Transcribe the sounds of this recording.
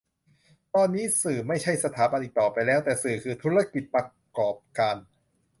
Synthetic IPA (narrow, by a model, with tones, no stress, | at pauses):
t̪ɔː˧nːiː˦˥sɯː˨˩ma˥˩jt͡ɕʰa˥˩jsa˧t̪ʰaː˩˦ba˧nʔiː˨˩k̚t̪ɔː˨˩pa˧jlɛː˦˥wt̪ɛː˨˩sɯː˨˩kʰɯː˧t̪ʰu˦˥ɾa˦˧˥ki˨˩t̪̚pa˧ | kɔː˨˩p̚kaː˧n